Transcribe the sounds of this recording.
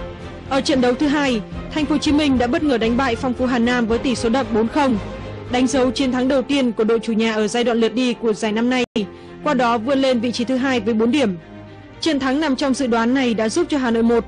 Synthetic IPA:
ʔəː˧˩t͡ɕə̰˧˨nɗə˨˦wt̪ʰɨ˨˦ɦaː˧jt̪ʰa˨˩jŋ̟fo˨˦t͡ɕi˨˦mï˧ŋ̟ɗa̰ː˧˥ɓə˦˥t̚ŋəː˧˩ɗa˨˦ŋ̟ɓa̰ː˧˨jfɔ˧wŋ͡mfu˨˦ɦaː˨˩nːaː˧mvəː˨˦jt̪i˧˩so˨˦ɗə̰˧˨wŋ͡mɓo˨˦nxə˧wŋ͡mɗa˨˦ŋ̟zə˨˦wt͡ɕi˨˦nt̪ʰa˨˦ŋɗə˨˩wt̪i˧ənku˧˩əɗo̰˧˨jt͡ɕu˧˩ɲaː˨˩ʔəː˧˩zaː˧jɗwa̰ː˧˨nlɨ˨˩t̚ɗi˧ku˧˩əzaː˨˩jna˧mna˧j | kwaː˧ɗɔ˨˦vɨ˧ənle˧nvḭ˧˨t͡ɕi˨˦t̪ʰɨ˨˦ɦaː˧jvəː˨˦jɓo˨˦nɗi˧˩əm | t͡ɕḭ˧˨ənt̪ʰa˨˦ŋna˨˩mt͡ɕɔ˧wŋ͡mzɨ̰˧˨ɗwaː˨˦nːa˨˩jɗa̰ː˧˥zu˦˥p̚t͡ɕɔ˧ɦaː˨˩no̰˧˨jmo˨˩t̚

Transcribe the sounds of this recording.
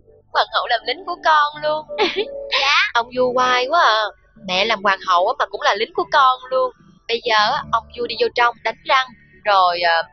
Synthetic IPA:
kwaː˨˩nhə̰˧˨wlaː˨˩mlï˨˦ŋ̟ku˧˩əkɔ˧nlu˧əŋ | ʔə˧wŋ͡mzu˧kwaː˧ju˨˦əː˧˩ | mɛ̰˧˨laː˨˩mkwaː˨˩ŋɦə̰˧˨wʔaː˨˦maː˨˩kʊ̰˧˥ŋ͡mlaː˨˩lï˨˦ŋ̟ku˧˩˦əkɔ˧nlu˧əŋ | ɓə˧jzəː˨˩ʔaː˨˦ʔə˧wŋ͡mzu˧ɗi˧zo˧t͡ɕə˧wŋ͡mɗa˨˦jŋ̟za˧ŋ | zo˨˩jʔəː˨˩

